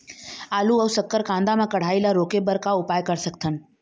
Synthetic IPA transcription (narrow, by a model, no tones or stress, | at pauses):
aːluɐːsəkːəɾkãːnd̪amẽkəɽ̤aːilaɾoːkebəɾkaʊpaːjkəɾsəkt̪ʰən